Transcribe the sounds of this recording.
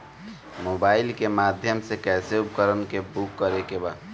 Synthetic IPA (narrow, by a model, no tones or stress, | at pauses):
mobailkemad̪ʱjəmsekɛseupkəɾənkebukːəɾekeba